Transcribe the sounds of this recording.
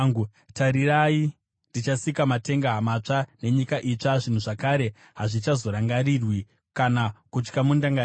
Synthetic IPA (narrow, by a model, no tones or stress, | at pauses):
ŋɡu | taɾirai | ndit͡ʃasikamate̞ŋɡaɦamat͡ʂane̞ɲikaʔit͡ʂaʐin̤uʐakaːɾe̞ | ɦaʐit͡ʃazo̞ɾaŋɡaɾirwi | kanakut͡ʃkamundaŋɡa